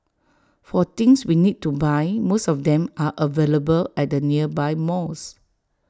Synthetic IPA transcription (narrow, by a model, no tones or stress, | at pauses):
fɔt̪ɪ̃ŋswinid̚tubajmosɔfdɛ̃maʔəveləbəlɛt̚dəniəbajmɔs